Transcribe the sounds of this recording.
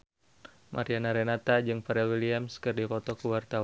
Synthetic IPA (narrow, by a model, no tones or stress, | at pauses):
mʔa̰ɾianaɾɛnat̪ad͡ʒɨŋfaɾɛlwiliamskɨrdipɔt̪ɔkuwart̪awa